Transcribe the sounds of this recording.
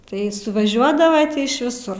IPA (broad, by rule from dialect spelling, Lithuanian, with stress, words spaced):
tɐɪ sʊʋɐˈʒʲuɔdɐʋɐ ɪʃ ʋʲɪˈsʊr